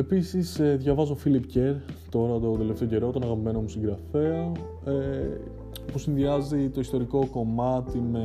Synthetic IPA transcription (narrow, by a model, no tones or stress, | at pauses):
e̞pisiseðʝɐvɐzo̞filipceɾt̪o̞ɾɐt̪od̪e̞left̪e̞oɟe̞ɾoot̪onɐɣɐpimenomusiŋɡɾɐfe̞ɐo | e | pusinðiɐzit̪o̞ist̪o̞ɾiko̞ko̞mɐt̪ime